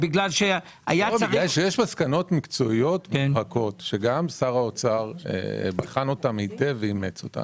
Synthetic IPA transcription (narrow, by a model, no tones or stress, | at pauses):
biɡlalʃe | ajabadajʃejeʃmaskano̞tmikt͡so̞ijo̞tʁako̞tʃeɡamsaʁaot͡saʁḛbaχano̞tamiteveimet͡so̞̰ta̰m